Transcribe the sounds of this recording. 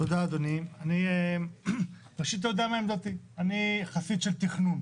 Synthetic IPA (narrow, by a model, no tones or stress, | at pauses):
t̪od̪aːd̪onianie | ʁaʃit̪̬ːajod̪amaemd̪ot̪i | aniχasit̪ʃelt̪iχnun